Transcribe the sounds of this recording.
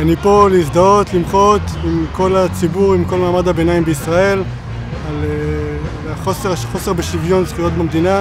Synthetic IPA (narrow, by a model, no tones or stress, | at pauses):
anipo̞leisd̪ao̞t̪limχo̞t̪imko̞lat͡sibuʁimko̞lmaːmad̪habenaimbeisʁae̞l | ale | aχoseʁχo̞seʁbeʃivjo̞nzχujo̞t̪̚bemd̪ina